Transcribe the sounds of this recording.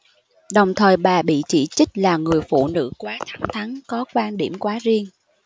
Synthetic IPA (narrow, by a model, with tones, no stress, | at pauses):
ɗə˨˩wŋ͡mt̪ʰəː˨˩jɓaː˨˩ɓḭ˧˨t͡ɕi˧˩t͡ɕi˦˥k̟̚laː˨˩ŋɨ˨˩əjfṵ˧˨nɨ̰˧˥kwaː˨˦t̪ʰa˨˦ŋ͡mt̪ʰa˨˦ŋkɔ˨˦kwaː˧nɗi˧˩əmkwaː˨˦zi˧əŋ